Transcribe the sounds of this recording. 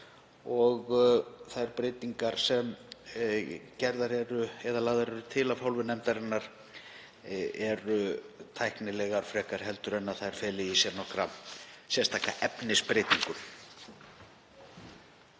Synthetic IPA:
ɔɣθajɾpɾeːjt̪iŋkaɾ̥sɛm | cɛɾðaɾɛɾʏɛðalaːɣðaɾɛɾʏt̪ʰɪlavhawlvɪnɛmt̪aɾɪnːaɾ̥ | ɛɾʏt̪ʰajhknɪlɛɣaɾ̥fɾɛːkaɾ̥hɛlt̪ʏɾɛnːaθajɾ̥fɛːlɪisjɛɾnɔhkɾa̰sjɛst̪ʰaːkaʔɛpnɪspɾeːjt̪iŋkʏm

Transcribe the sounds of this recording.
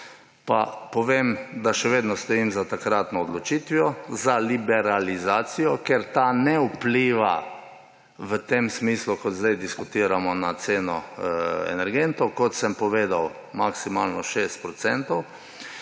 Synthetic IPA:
pa̰pɔʋemd̪aʃɛʋeːd̪nɔst̪ɔiːmzat̪akɾat̪nɔːd̪lɔt͡ʃiːt̪ʋijɔzalibɛɾalizaːt̪sijɔkeɾt̪anɛupliːʋa̰ | ʋət̪emsmiːslukɔt̪zd̪ɛjd̪iskʊt̪iːɾamɔnat̪seːnɔɛ̰nɛɾɡent̪ɔwkɔt̪sɛmpɔʋeːd̪aw | maksimalnɔʃest̪̚pɾɔt̪sɛnt̪ɔw

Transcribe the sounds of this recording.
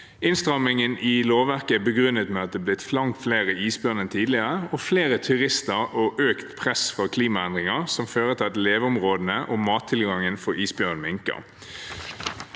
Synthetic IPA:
ɪnst̪ʁɑmɪŋənʔɪloːʋæʁkəæbəɡʁʉnːət̪mɛɑt̪̚d̪ɛːblɪt̪flɑŋt̪fleːʁəiːsbjœːʁnənt̪ʰiːd̪lɪəʁəɔfleːʁət̪ʰʉʁɪst̪əʁoʔøːkt̪pʰʁɛsfɔkʰliːmɑɛnd̪ʁɪŋɑʁsɔmføːʁət̪ʰɑt̪leːʋʊmʁoːd̪n̩əʔɔːmɑːt̪ʰːɪlɡɑŋənfɔɾiːsbjøʁnmɪŋkə̰ʁ

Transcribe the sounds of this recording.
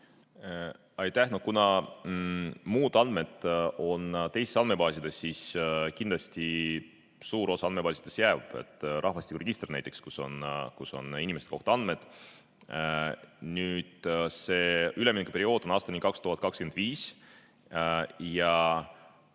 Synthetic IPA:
ɑjt̪æhnokunɑ | muːd̪̥ɑnd̪̥me̞d̪ˑʔo̞nt̪e̞jsesɑnme̞pɑːsʲid̪̥esːiskind̪lɑst̪i | suːɾo̞sɑɑnme̞pɑːsid̪̥e̞sjæːvɑb̥ḛt̪ːˑrʔɑhvɑsʲt̪ikːureɡist̪rnæjt̪ːˑe̞kskuso̞̰nkuso̞̰ninimeset̪ko̞ht̪oɑnd̪̥me̞d̪̥ | nyːd̪̥se̞ːyleminkupeɾio̞ːd̪̥o̞nɑːst̪ɑnʲikɑkst̪uhɑt̪̚kɑkskenviːs | jɑ

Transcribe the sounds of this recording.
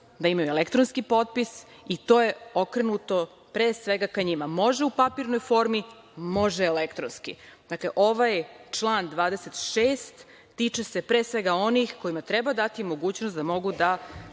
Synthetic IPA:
d̪aimajuelekt̪ɾonskipo̞t̪̚pis | it̪o̞ːje̞o̞kɾenut̪o̞ | pɾeːsʋe̞ɡakaɲimamo̞ʒeupapiɾno̞jfo̞ːɾmi | mo̞ʒeːlekt̪ɾonskḭd̪akleʔo̞ʋajt͡ʃlˠaːnd̪ʋaːd̪e̞se̞t̪ʃeːst̪ː | iːt͡ʃese̞pɾeːsʋe̞ɡao̞nixko̞imat̪ɾe̞bad̪at̪imo̞ɡuːt͡ɕnost̪d̪amo̞ɡud̪a

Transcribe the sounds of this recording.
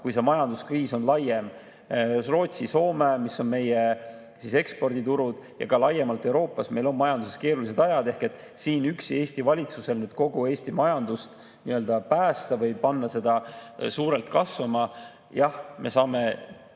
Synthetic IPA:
kujse̞mɑjɑnd̪̥uskriːso̞nlɑje̞m | ro̞ːt̪siso̞ːmemisːo̞nme̞je | sise̞kspo̞rd̪it̪uɾud̪̥jɑ̰kɑlɑje̞mɑlt̪ːˑe̞wɾo̞ːpːˑɑsme̞jlo̞nmɑjɑnd̪useske̞ːɾulise̞d̪ɑjɑd̪e̞hke̞t̪ːˑ | siːnykse̞ːsʲt̪ivɑlʲit̪suse̞lnyːd̪̥̚ko̞ɡ̥ue̞ːsʲt̪imɑjɑnd̪̥ust̪ | niøld̪̥ɑpæːst̪ɑvɤjpɑnːɑse̞d̪̥ɑsuːɾe̞lt̪̚kɑsvɑmɑ | jɑhme̞sɑːme̞

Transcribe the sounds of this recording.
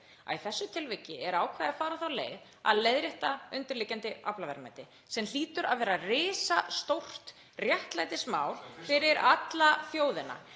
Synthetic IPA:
a̰iθɛsːʏt̪ʰɪlvɛcːɪɛɾaːwkʰvaːðafaːɾaθawleːjð | a̰ðleðɾɪht̪aʏnt̪ɪɾlɪcant̪ɪa̰plavɛɾma̰jt̪ɪ | sɛml̥iːt̪ʏɾa̰ðvɛːɾarɪːsast̪owr̥t̪ | rjɛht̪lajt̪ɪsmaːwlfɪɾɪɾat̪laθjoːwðɪna̰

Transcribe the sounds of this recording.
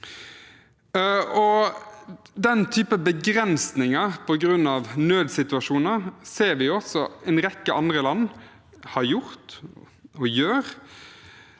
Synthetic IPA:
ɔ | d̪ɛnt̪ʰyːpəbəɡʁɛnsnɪŋəʁpʰɔɡɾʉnːɑʋnøːd̪sɪt̪ʉɑʂuːnəɾseːɾʋɪjɔsɔɛnʁɛkːəʔɑnd̪ʁəlɑnː | hɑɾjʊʁt̪ | ɔjøːʁ

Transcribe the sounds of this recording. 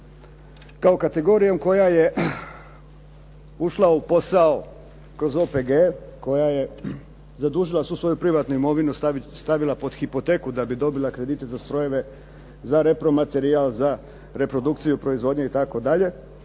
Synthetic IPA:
kao̞kat̪e̞ɡo̞ɾijo̞mko̞jaje̞ | uʃlaupo̞sao̞ | kɾo̞zo̞peɡeko̞jaje̞ | zad̪uːʒilˠasuːsʋo̞jupɾiʋat̪nuimo̞ʋinust̪aʋilˠapo̞d̪xipo̞t̪e̞kud̪abid̪o̞bilakɾe̞d̪iːt̪e̞zast̪ɾo̞je̞ʋe̞ | zaɾe̞pɾo̞mat̪e̞ɾialˠza | ɾe̞pɾod̪ukt̪sijupɾo̞izʋo̞ːd̪ɲeit̪ako̞d̪aʎe̞

